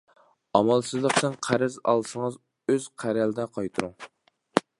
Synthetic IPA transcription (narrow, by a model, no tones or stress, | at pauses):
ɑmɑlˠsɨzlˠəqt̪ɪnqʰæɾɛzɑ̰lˠsəŋəz | øz̥qʰæɾælɪd̪ɛqʰɑjt̪ʰɨɾuŋ